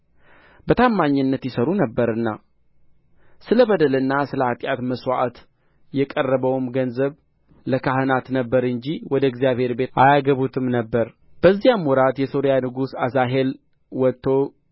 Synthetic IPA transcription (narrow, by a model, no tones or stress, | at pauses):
bət̪ʰamːaɲːɨnːət̪jɪsəɾunəbːəɾɨnːa̰ | sɨləβəd̪əlɨnːasɨləat̪ʼjat̪məswa̰ʔat̪ | jɛkʼərːəβəwmɡənzəβ | ləkʰaɦɨnat̪nəbːəɾɨɲd͡ʒiwɔd̪əɛɡzijaβhe̞ɾbe̞ʔajaɡəβut̪ʰɨmnəbːəɾ | b̥əzːijamwɔɾat̪jɛso̞ɾijanɨɡusazaɦe̞l | wɔt̪ʰːo̞